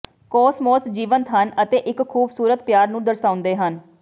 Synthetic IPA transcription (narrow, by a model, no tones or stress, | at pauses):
kɔːsmɔːsd͡ʒiːʋənt̪ɦənət̪eːʔɪkkʰːuːbsuːɾət̪pjaːɾnũːd̪əɾsaːʊnd̪eːɦən